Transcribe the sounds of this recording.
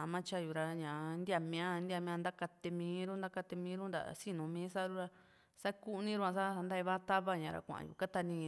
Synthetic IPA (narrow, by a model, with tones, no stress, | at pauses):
mã˦t͡ʃa˦ju˨ɾa˧ɲã˨nd̪ʲa˧mĩ˧ã˦˧nd̪i˦a˧mĩ˧ã˧nd̪a˦ka˧t̪e˧mĩː˨˧˦ɾu˦nd̪a˦ka˧t̪e˧mĩː˧˦ɾu˦nd̪a̰˨si˦nũ˨mĩː˨˦sa˦˧ɾu˦ɾa˧ | sa˦ku˦˧nĩ˦ɾu˧ã˧sa˦˧nd̪a˦˧i˧βa˦t̪a˦βa˦ɲã˨˧ɾa̰˧kʷã̰˨ʔjṵ˧˨ka˦t̪a˧nĩ˧